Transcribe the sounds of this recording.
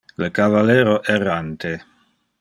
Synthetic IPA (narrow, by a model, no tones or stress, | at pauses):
lkavalɛːɾoʔɛrant̪e